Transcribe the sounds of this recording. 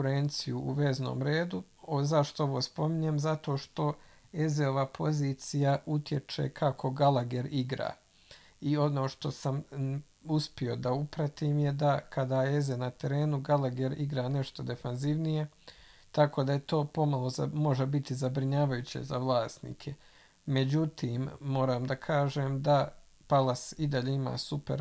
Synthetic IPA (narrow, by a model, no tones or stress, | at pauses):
uɾent̪sijuuʋe̞ːzno̰ːmɾe̞ːd̪u | ozaʃt̪oo̞ʋo̞ːspo̞miɲemzat̪o̞ːʃt̪o̞ | ezeoʋapʰo̞ziːt̪sijaʔut̪je̞t͡ʃe̞̰kʰakʰo̞ɡalˠaɡe̞ɾiɡɾa̰ː | io̞no̞ːʃt̪o̞sam | uspio̞d̪aupɾat̪iːmje̞d̪akʰad̪aːezenat̪e̞ɾe̞ːnuɡalaɡeɾiɡɾaːne̞ʃt̪o̞d̪e̞fanziʋnije̞ | t̪ako̞ːd̪aet̪o̞ːpo̞malˠo̞mo̞ʒebit̪izabɾiɲaːʋajut͡ɕe̞̰zaʋlˠaːst̪nḭːkʰe | me̞d͡ʑut̪iːmːo̞ːɾaːmd̪akʰaːʒeːmd̪a | palasid̪aʎeima̰ːsupeɾ